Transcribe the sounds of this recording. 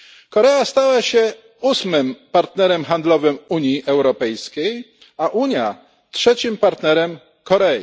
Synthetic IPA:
kɔɾɛast̪awaɕɛ | usmɘmpaɾt̪nɛɾɛmxand̪lɔvɘmuɲjiʔɛwɾɔpɛjskʲej | aʔuɲja | tʂɛt͡ɕimpaɾt̪nɛɾɛm | kɔɾɛjḭ

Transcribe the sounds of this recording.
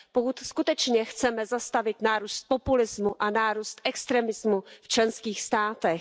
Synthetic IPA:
pokut̪skut̪ɛt͡ʃɲɛxt͡sɛmɛzast̪avɪt̪naːɾuːst̪̚po̞pulɪzmuʔanaːɾuːst̪ʔɛkst̪ɾɛmɪzmuft͡ʃlɛnskiːxst̪aːt̪ɛx

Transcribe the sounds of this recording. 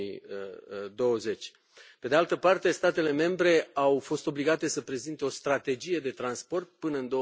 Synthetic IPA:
i | d̪o̞wəze̞t͡ʃʲ | pe̞d̪ealt̪əpart̪e̞st̪at̪e̞le̞me̞mbɾe̞awfo̞st̪o̞bliɡat̪e̞səpɾe̞zint̪eo̞st̪ɾat̪e̞d͡ʒije̞d̪e̞t̪ɾanspo̞rt̪̚pɨnəɨnd̪o̞

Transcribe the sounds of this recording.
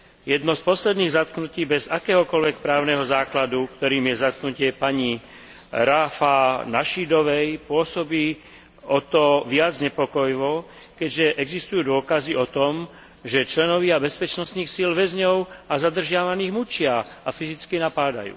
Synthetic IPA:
jɛd̪nɔspɔslɛd̪niːɣzat̪knuciːbɛzakɛːɦɔkɔlʋɛk̚pɾaːʊnɛɦɔzaːklad̪ukt̪ɔɾiːmjɛzat̪̚knucɪɛpaɲi | ɾaːfanaʃid̪ɔʋɛjpʊɔsɔbiː | ɔt̪ɔʋɪad͡zɲɛpɔkɔjʋɔ | kɛɟʒɛʔɛɡzist̪ujuːd̪ʊɔkaziɔt̪ɔm | ʒɛt͡ʃlɛnɔʋiabɛspɛt͡ʃnɔst̪niːxsilʋɛzɲɔʊazad̪r̩ʒɪaʋaniːɣmut͡ʃɪaafizit͡skinapaːd̪a̰jṵː

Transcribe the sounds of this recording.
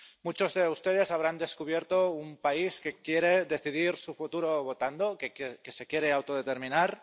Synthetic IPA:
mut͡ʃozðe̞ust̪e̞ð̞e̞saβ̞ɾand̪e̞skuβ̞jeɾt̪oumpaiske̞kjeɾeðe̞θiðiɾsufut̪uɾoβ̞ot̪and̪okkese̞kjeɾeawt̪oð̞et̪e̞ɾminaɾ

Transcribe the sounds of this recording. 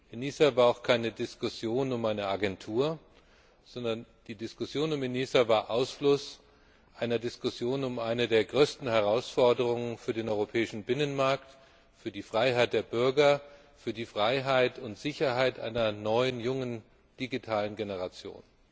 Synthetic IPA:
ʔeniːsavaːɐaʊxkʰaɪnədɪskʊsjoːnʊmaɪnəaɡɛntʰuːɐ | z̥ɔndɐnd̥iːdɪskʊsjoːnʊmeniːsavaːɐʔaʊsflʊs | ʔaɪnɐdɪskʊsjoːnʊmʔaɪnədeːɐɡʁøːstn̩hɛʁ̞aʊsfɔɐdəʁ̞ʊŋənfyːɐdeːnʔɔʏʁopʰɛːɪʃn̩bɪnənmaɐkt | fyːɐdiːfʁ̥aɪɦaɪt̚d̥eːɐbʏɐɡɐ | fyːɐdiːfʁ̥aɪɦaɪtʰʊntz̥ɪçɐɦaɪtʔa̰ɪnɐnɔʏənjʊŋən | d̥iɡitʰaːlənɡenəʁat͡sjo̰ːn

